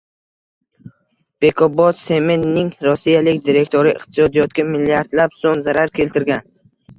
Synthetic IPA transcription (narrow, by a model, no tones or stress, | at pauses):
b̥e̞kʰobɒt̪se̞menːɪŋɾɒsːijalɪkʲd̪iɾe̞kʲt̪ʰoɾɪɪ̰qt̪ʰɪ̥sɒd̪ijɒt̪̚kʲamɪlːijaɾd̪lapsoŋzaɾaɾkʲʰe̞lt̪ʰɪɾɡʲan